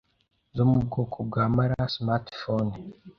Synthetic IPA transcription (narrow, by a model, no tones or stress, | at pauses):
zomub̚ɡo̞ːkʰob̚ɡaːmaɾasmaɾtfon